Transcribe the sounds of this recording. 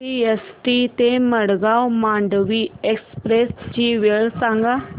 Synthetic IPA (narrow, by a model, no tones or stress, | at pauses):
iesʈit̪emɐɽɡaːwmãːɳɖəʋieːkspɾeːsd͡ʑiːʋeɭsãŋɡa